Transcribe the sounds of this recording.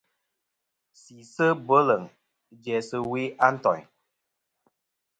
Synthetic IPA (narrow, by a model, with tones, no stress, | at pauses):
si˨sə˦bə˦lə˨ŋ | d͡ʒɛ˨sə˦wi˦ʔa˦n̩˦tɔ̰˨ɲ